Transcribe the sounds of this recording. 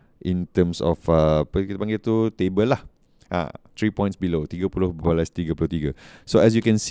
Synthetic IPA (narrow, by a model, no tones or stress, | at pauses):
ʔĩnt̪ə̃msɔ̰fapəkit̪əpãŋɡɪt̪ut̪ebəlah | ʔa̰t̪ɹipɔ̃j̃ntsbilot̪iɡəpulohbalast̪iɡəpulot̪iɡəsoɛs̬jukɛ̃ns